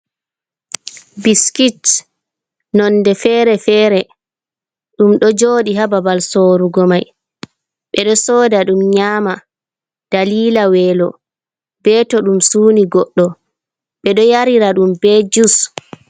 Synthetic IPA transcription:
biskit | nɔndɛfɛːɾɛfɛːɾɛ | ɗumɗɔd͡ʒoːɗiɦababalsoːɾuɡɔmaj | ɓɛɗɔsoːdaɗumɲaːma | d̥aliːlawɛːlɔ̰ | bɛtɔɗumsuːniɡɔɗːɔ | ɓɛɗɔjaɾiɾaɗumbɛd͡ʒus

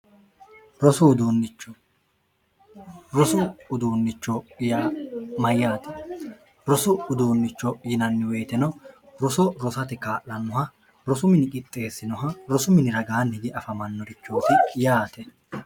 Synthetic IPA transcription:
ɾɔsʊd̪oːnːɪt͡ʃːɔ | ɾɔsʊːd̪oːnːɪt͡ʃːɔjamɐjːaːt̪ʰɛ̥ | ɾɔsʊːd̪oːnːɪt͡ʃːɔjɪnɐnːɪweːt̪ɛnɐɾɔsɔɾɔsɐt̪ɪkaːʔɐnːɔɦɐ | ɾɔsʊmɪnɪkʼɪt̪ʼːe̞ːsːɪnɔɦɐɾɔsʊmɪnɪɾɐɡaːnɪɡɛʔɐfɐmɐnːɔɾɪt͡ʃːoːt̪ɪjaːt̪ɛ

